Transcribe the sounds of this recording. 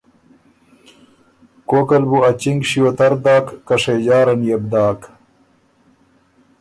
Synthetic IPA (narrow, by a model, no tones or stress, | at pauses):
koːkɐlbuɐt͡ɕiŋɡʂiot̪ɐɾd̪aːkːɐʂejd͡ʑaːɾɐnjɐb̚d̪aːk